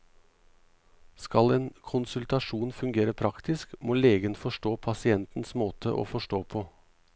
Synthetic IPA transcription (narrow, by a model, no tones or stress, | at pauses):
skɑleːnkʰʊnsʉlt̪ɑʂuːnfʉŋɡeːɾəpʰɾɑkt̪ɪskmoːleːɡənfɔʂʈoːpʰɑsɪɛnt̪n̩smoːt̪ʰə̰ʔo̰ːfɔʂʈoːpʰoː